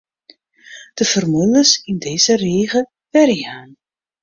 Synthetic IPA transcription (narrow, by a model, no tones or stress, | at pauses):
d̥əv̥ərmuləsɪndeːz̥əreːɣə | ʋɛrjjaːn